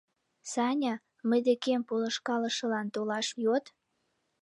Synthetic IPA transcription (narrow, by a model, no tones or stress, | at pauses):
sɑnʲɑ | məjd̪ekempoləʃkɑlə̆ʃə̆lɑnt̪olɑʃjot̪